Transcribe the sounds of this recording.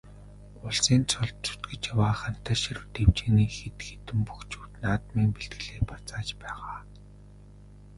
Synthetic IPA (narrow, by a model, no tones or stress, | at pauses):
ʊɮsiːnt͡sʰʊɮt̪̚t͡ɕʰu̥t̪ɡɘ̆t͡ɕjawaːχan̥t̪aʃir̆wt̪ewt͡ɕĕːniːxet̪xet̪ɘ̆mpuxt͡ɕuːt̪naːt̪miːŋpeɮt̪ɡɘ̆ɮeːpat͡saːt͡ɕpæːʁaː